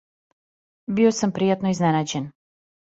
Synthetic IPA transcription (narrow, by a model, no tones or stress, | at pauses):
biosampɾijat̪noiznenad͡ʑen